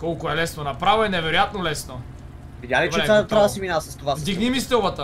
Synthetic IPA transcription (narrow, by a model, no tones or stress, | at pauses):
kɔlˠkoɛlɛsnonɐpɾavoɛnɛvɛɾojat̪nolɛsno | vid̪ʲalit͡ʃɛɛat̪ɾad̪ɐsɛminasɐst̪ovavd̪iɡnimist̪ɛlˠbət̪ə